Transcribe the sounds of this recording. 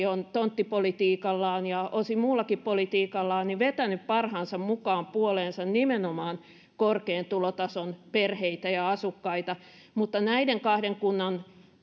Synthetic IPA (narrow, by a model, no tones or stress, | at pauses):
ont̪ont̪ːipolit̪iːkɑlːɑːnjɑosimuːlːɑkippolit̪iːkɑlːɑːniʋet̪ænyppɑrhɑːnsɑmmukɑːmpuoleːnsɑnnimenomɑːn | korkeːnt̪ulot̪ɑsonperheit̪æjɑɑsukːɑit̪ɑ | mut̪ːɑnæideŋkɑhdeŋkunːɑn